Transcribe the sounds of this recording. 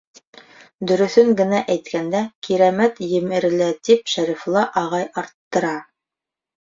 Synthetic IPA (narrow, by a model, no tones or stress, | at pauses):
d̪ɵ̆ɾɵ̆θɵŋɡɘ̆næʔæjt̪kʰænd̪ækiɾæmæt̪jɘ̆mɘ̆ɾɘ̆læt̪ipʃæɾiflˠɤʔɑʁɑjɑɾt̪ːɤ̆ɾɑ